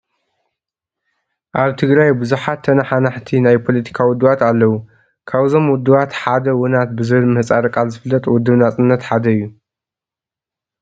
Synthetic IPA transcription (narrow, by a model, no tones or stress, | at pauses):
ʔaβt̪ʰɨɡɾajbɨzuħat̪ʰːɐnɐħanaħt̪ʰinajpʰo̞lɐt̪ʰi̥kʰawʊd̪ːɨβat̪alːɐwu | kʰaβzo̞mwʊd̪ːɨβat̪ħad̪ɐwʊnat̪bɨzɨβɨlmɨhɨt͡sʼaɾɐkʼalzɨfɨlːɐt̪ʼwʊd̪ːɨβnat͡sʼɨnːɐt̪ħad̪ɐɨjːu